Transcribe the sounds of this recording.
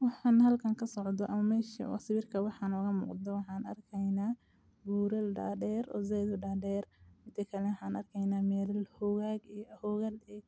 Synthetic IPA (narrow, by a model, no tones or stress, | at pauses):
wɑħɑːnhɐlkʰɐŋkʰɐsɔʕd̪ɔʔɐmɐmɛːʃɐ̰ɔ̰sɪβɪrkʰɐwɑħɑːnɔɣɐmṵːqd̪ɔwɑħɑːnɐ̰rkʰɛjnaː | buːɾɐlɖa̰ːɖɛːɾɔ̰ːzɛðʊɖaːɖɛːrmɪnt̪ʰɐkʰɐlɛwħɑːnʔɐrkʰɛjnaːmɛːlɐlhɔɣaːɡijhɔɣɐlɛ